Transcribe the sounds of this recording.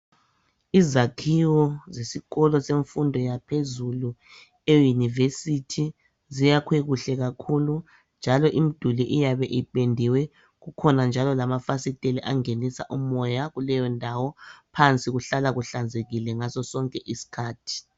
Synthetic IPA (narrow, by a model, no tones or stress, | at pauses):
izakʰiwɔzesiɣɔlɔseɱfundʱɔjapʰezulu | ejunivesitʰi | zijakʰweɣuɬɛɣakʰulu | nd͡ʒʱalɔʔimid̥ʱuliʔijaβɛʔipʼendʱiwɛ | ɣukʰɔnand͡ʒʱalɔlamafasitʼeliʔaŋenisa̰ʔumɔjaɣulɛjɔndʱawɔpʰant͡sʼiɣuɬalaɣuɬand͡zʱeɣilɛŋasɔsɔŋkʼɛʔisi̥kʰaːtʰi̥